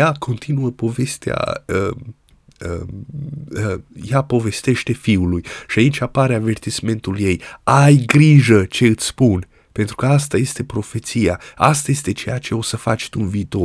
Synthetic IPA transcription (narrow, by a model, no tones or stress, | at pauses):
jakʰo̞nt̪ʰinuəpo̞ve̞st̪ea̰ə | ə | əjapo̞ve̞st̪e̞ʃt̪e̞fiulujʃiait͡ʃapaɾeave̞rt̪isme̞nt̪ulje̞jajɡɾiʒət͡ʃe̞ɨt̪sʲspun | pe̞nt̪ɾukəast̪aje̞st̪e̞pɾo̞fe̞t̪sijaast̪aje̞st̪e̞t͡ʃe̞jat͡ʃe̞o̞səfa̰t͡ʃʲt̪unviːt̪o̞